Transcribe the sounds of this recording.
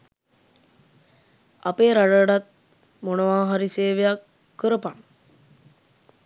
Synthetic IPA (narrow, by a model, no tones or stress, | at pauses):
apeːɾaɖəɖat̪̚ | monəʋaːɦaɾiseːʋejakː | əɾəpaŋ